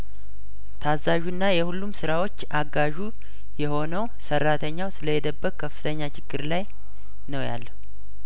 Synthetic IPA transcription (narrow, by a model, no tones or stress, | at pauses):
t̪ʰazːaʒuɨnːajɛhulːumsɨɾawo̞t͡ʃːʔaɡaʒu | jɛho̞nəwsərːat̪ʰəɲːawsɨləjɛd̪əbːəkkʰːəfɨ̥t̪ʰəɲːat͡ʃʰɪɡːɨɾlaj | nəwja̰lːəhu